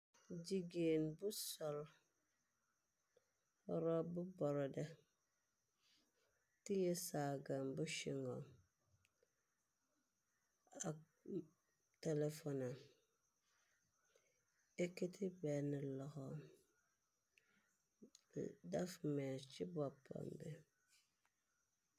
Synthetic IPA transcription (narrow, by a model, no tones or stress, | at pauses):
d͡ʒiɡenbʊsɔl | ɔɾɔbʊbɔɾɔdɛ | tijɛsaɡanbʊʃiŋɔ̰ | a | tɛlɛfɔna | eketʰɪbɛnɨlɔɣɔ | dafmɛt͡ʃɪbɔpʰa̰mbɛ